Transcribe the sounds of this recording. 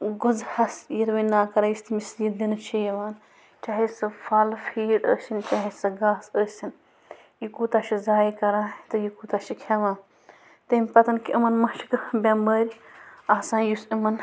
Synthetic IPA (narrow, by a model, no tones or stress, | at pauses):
ɡuzhɐsjiɾʋɐnnaːkɐɾajist̪imisid̪inɨt͡ʃʰijɐʋaːn | t͡ʃaːɦisɐfʰɐlfʰiːɖə̰ːsʲint͡ʃaːɦisɐɡaːsəːsʲin | jikuːt̪aʃizaːjikɐɾãːt̪ɨjikuːt̪aʃikʰɐʋãː | t̪ɐmʲpɐt̪ɐnkiʔɐmɐnmɐʃi̥kbʲambəːɾʲaːsãːjusimɐn